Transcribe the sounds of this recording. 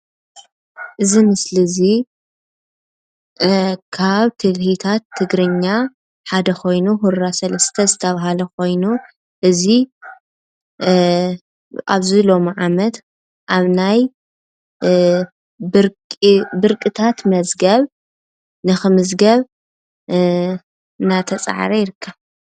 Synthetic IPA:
ʔɨzimɨslɨzi | kʰaβt̪ʰɨlhit̪ʰat̪ʰːɨɡɾɨɲːa | ħad̪ɐxo̞jnuɦuɾɾasɐlɐst̪ʰɐzɨt̪ʰɐβaɦalɐkʰo̞jnu | ʔɨzi | ʔa̰βzilo̞miʕamɐt̪ | ʔaβnaj | bɨɾkʼbɨɾkʼɨt̪ʰat̪mɐzɡɐβ | nɨxɨmɨzɡɐβ | nat̪ʰɐt͡sʼa̰ʕ̰ɾɐjɪɾɨkʰːa

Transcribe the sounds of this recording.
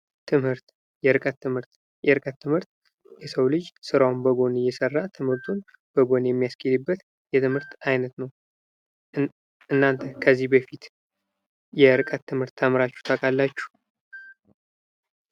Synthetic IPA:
t̪ʰɨmhɨɾt̪ | jɛɾɨkʼət̪ːɨmhɨɾt̪ | jɛɾɨkʼət̪ːɨmhɨɾt̪ | jɛsəwlɨd͡ʒsɨɾawnbəɡo̞nɨjɛsərːat̪ʰɨmhɨɾt̪ʰun | b̥əɡo̞njɛmːijaskʰilɨbːət̪ | jɛt̪ʰɨmhɨɾt̪ajnət̪nəw | ɨnːant̪ʰəkʰəzːihbəfit̪ | jɛɾɨkʼət̪ːɨmhɨɾt̪ʰːəmɾat͡ʃːu̥t̪ʰakʼalːat͡ʃːu̥

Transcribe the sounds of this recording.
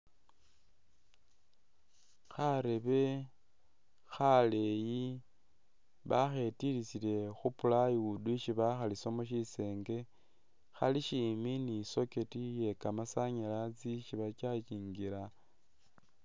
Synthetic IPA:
xaɾeβe̞ | xale̞ji | βaxe̞tilisile̞xupulajiuduʃiβaxalisomuʃise̞ːŋɡe̞ | xa̰liʃiminiso̞ke̞tije̞kamasaɲelat͡siʃiβat͡ʃat͡ʃiːŋɡila

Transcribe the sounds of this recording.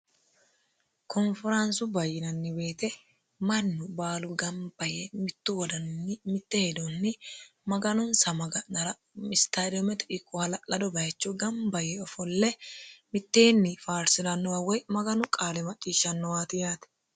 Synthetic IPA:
kʰɔnfɪɾɐnsʊbɐjːɪnɐnːɪbe̞ːt̪ɛ | mɐnːʊbaːlʊɡɐmbɐjɛmɪt̪ːʊwɔd̪ɐnnːɪmɪt̪ːɛhɛd̪onːɪmɐɡɐnʊnsɐmɐɡɐnɐɾɐ | mɪst̪ad̪ɔmɛt̪ɛ̥ᶑɪkʼːʊhɐlɐlɐd̪ɔbɐjɐt͡ʃːɔɡɐmbɐjɛɔfɔlːɛmɪt̪ːeːnːɪfaːɾsɪdɐnːɔwɐwɔjmɐɡɐnʊkʼaːlɛmɐt͡ʃʼːiːʃːɐnːɔwaːt̪ɪjaːt̪ɛ̥

